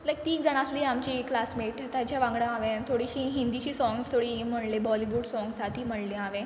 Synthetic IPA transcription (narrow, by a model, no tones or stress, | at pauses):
ləɡ̚t̪iːnd͡zəɳ̃asliamt͡ɕiklasmeʈt̪jat͡ɕjaʋãŋɡɽãaʋẽt̪ʰoɽiɕiɦind̪it͡ɕiːsɔ̃ŋɡst̪ʰoɽim̤əɽlebɔliʋuːɖsɔ̃ŋɡsat̪ʰiːm̤əɽliaʋẽ